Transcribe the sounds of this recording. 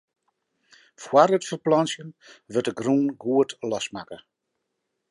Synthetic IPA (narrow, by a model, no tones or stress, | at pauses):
fwarətfərplɑnsjənʋətəɡrunɡuətlɔsmaːkə